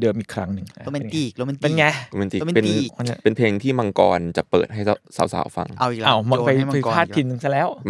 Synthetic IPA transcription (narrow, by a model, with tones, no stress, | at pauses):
dɤː˧mʔiː˨˩kʰɾa˦˥ŋnɯ˧˩ŋa˧m˧˨iː˨˩k̚ɔ˦m˧e˧˩nŋa˧˩˧me˧nt̪iː˨˧pe˧n˨˧˩n˧˩pe˧npʰeː˧ŋt̪ʰiː˥˩ma˧ŋkɔː˧nt͡ɕa˨˩pɤː˨˩t̪̚ɦa˥˩ja˦saː˩˦wsa̰ː˩˦wfa̰˧ŋʔa˧˨ʔaː˧˩wma˧kpa˧jpa˧jpʰaː˥˩t̪ʰi˧˩nːɯ˧˩ŋsa˧lɛː˦˥˩w